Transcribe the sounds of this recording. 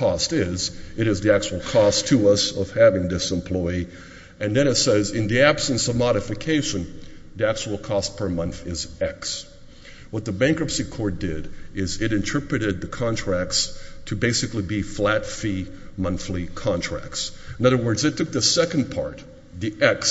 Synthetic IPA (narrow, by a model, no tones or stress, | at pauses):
kʰɔstɪzɨɾɨzðiæk̚t͡ʃəwl̩ˠkʰɔstʰəʌsʌv̥hævɪ̃ŋðɪsə̃mpʰl̥ɔɪ | ɨ̃nðɨ̃ɾ̃ɨtsɛzɪ̃nðiæb̥sɨ̃nsʌvmɑɾɨfɨkʰeɪʃɨ̃n | ðiæk̚t͡ʃəwl̩ˠkʰɔst̚pʰə˞mʌ̃nθɪzɛks | wʌt̪̚ðəbæ̃ŋkɹɨpsikʰɔɹt̚d̥ɪɾɪzɪɾɨ̃ntʰɜ˞pɹɨɾɨd̪̚ðɨkʰɑ̃ntʰɹ̥æk̚tstʰɨbeɪsɨklibiflætfi | mʌ̃nθlikʰɑ̃ntʰɹ̥æ̰k̚ts | nʌðə˞wɜ˞dzɨtʰʊk̚ðɨsɛkɨ̃npʰɑ̰ɹt̪̚ | ðiʔɛks